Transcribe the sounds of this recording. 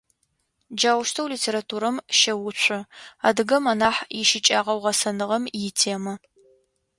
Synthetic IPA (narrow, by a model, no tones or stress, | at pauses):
d͡ʒaːwʊʃtʰɐwliːtʰeːɾatʰuːɾɐmʃɐwʊɕʷʰʼʊaːdɨɡɐmɐnaːħjɪʃɪt͡ʃʼaːʁɐwʁɐsɐnɨʁɐmjɪtʰeːmɐ